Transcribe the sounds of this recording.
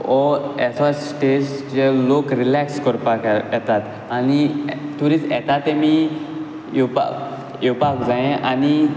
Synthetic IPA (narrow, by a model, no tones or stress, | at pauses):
ɔɛsɔssʈest͡ɕelokɾilɛkskɔɾpakjɛt̪at̪ | anit̪uɾiːsjɛt̪at̪emi | pa | ɛwpakd͡zãɛ̃ani